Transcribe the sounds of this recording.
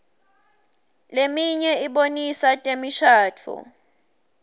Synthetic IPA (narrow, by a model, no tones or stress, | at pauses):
lemiɲɛiɓonisatʼemiʃʰaːtʰṵ